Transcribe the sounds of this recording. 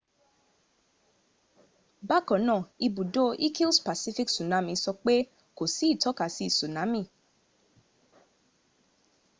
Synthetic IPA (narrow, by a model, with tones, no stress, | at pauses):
ba˦kɔ̃˨˦nã˦˨i˧bũ˨do˦ʔi˦ki˦lspa˨si˦fi˦ksu˨nã˨˦mĩ˧sɔ˧k͡pe˦ | ko˨si˨˦i˦˨tɔ˨˦ka˨si˨˦˨su˨nã˨˦mĩ˦˨